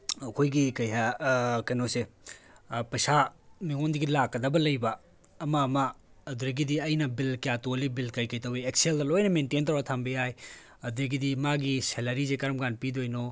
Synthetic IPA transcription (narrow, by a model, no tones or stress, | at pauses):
ɐkʰojɡikɐjɦakɐjnose | pɐjsamiŋondiɡilakːɐdɐbɐlɐjbɐː | maːmɐːduɾɐɡidiɐjnɐbilkjatolibilkɐjkɐjtɐwiek̚seldɐlojnɐmententɐwɾatʰambejaj | ɐd̪uɾeɡidimaɡiselɐɾisekɐɾɐmɡanpidojno